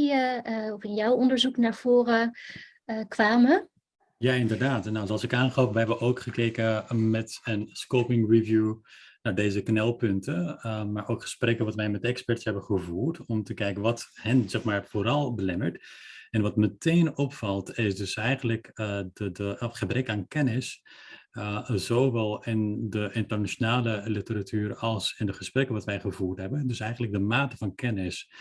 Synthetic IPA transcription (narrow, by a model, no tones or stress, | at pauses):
ɔfɪnjawɔndəɹzuknaːɹv̥oːrə | kʋaːmə | jaɪndəɹdaːtnːasɑlˠsɪkaːnχlowpʋəɦɛbəʔowkχəkejkəmɛtənskoːpɪŋrivjunadeːzəknɛlˠpɵntəmaːɹʔowkχə̥sprɛkəʋɑtʋɛjmɛtɛkspɛɹtsɛbəχəvuːɹtɔmtəkɛjkənʋɑthɛnzɛχmaːɹvoːɾɑlˠbəlɛməɹtɛnʋɑtmətejnɔpfɑlˠtɪsdøsɛjχəntləkədəχəbrɛkaːnkɛnɪs | zoːʋɛlˠɪndəʔɪntərnat͡ʃjonaːləlitəɾatyːɾɑlˠsɪndəχəsprɛkənʋɑtʋɛjχəvuːɹtɦɛbədøsɛjχən̩lək̚dəmaːtəfɑnkɛnɪs